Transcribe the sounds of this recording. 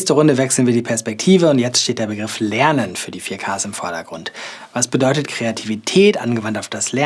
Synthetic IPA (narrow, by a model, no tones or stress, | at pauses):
stəʁʊndəvɛksl̩nviːɐdiːpʰɛɐspɛk̚tʰiːvəʊntjɛt͡stʃteːtd̥eɐbəɡʁɪflɛɐnənfyːɐdiːfiːɐkʰaːsɪmfɔɐɾɐɡʁʊnt | vasb̥ədɔʏtətkʁ̥eatʰivitʰɛːtʔa̰nɡəvantaʊfd̥aslɛ